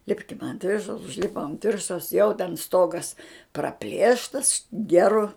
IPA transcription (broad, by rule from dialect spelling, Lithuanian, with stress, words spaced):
ˈlʲɪpʲkʲɪm ɐnt ˈʋʲɪrʃɐʊs ʊʒʲˈlʲɪpoːm ɐnt ˈʋʲɪrʃɐʊs jɛʊ tʲɛn ˈstoːɡɐs prɐˈpʲlʲeːʃtɐs ˈɡʲæːrʊ